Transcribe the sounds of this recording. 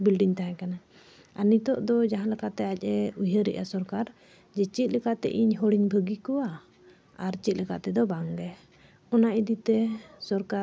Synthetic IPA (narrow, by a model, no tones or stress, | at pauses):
bilɖiɲt̪aɦãkana | aɾnit̪ɔʔd̪ɔd͡ʒaɦãlɛkat̪ɛac̚ˀɛujəɾɛ̰ʔasɔɾkaɾ | d͡ʒɛt͡ʃit̪̚ˀlɛkaʔt̪ɛ̰ʔiɲɦɔɽiɲbʱəɡikɔwa | aɾt͡ʃit̪̚ˀlɛka̰ʔt̪ɛd̪ɔbaŋɡɛ | ɔnaʔid̪it̪ɛsɔɾka